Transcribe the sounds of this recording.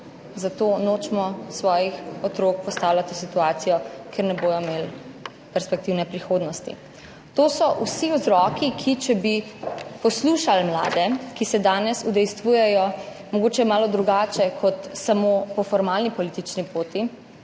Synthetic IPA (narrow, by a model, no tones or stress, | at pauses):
zat̪oːnot͡ʃmɔsʋɔːjixɔt̪ɾok̚pɔst̪aːwlʲat̪isit̪uaːt̪sijɔkeɾnɛboːjɔmeːl | pɛɾspɛkt̪iwnɛpɾixoːd̪nɔst̪ḭ | t̪oːsɔʔusiuzɾɔːkikʰit͡ʃɛbipɔsluːʃalmla̰ːd̪ɛkisɛd̪aːnɛsud̪ɛjst̪ʋujɛjɔ | mɔɡoːt͡ʃɛmaːlɔd̪ɾuɡaːt͡ʃɛkʰɔt̪samopɔfɔɾmaːlnipɔlit̪it͡ʃnipoːt̪i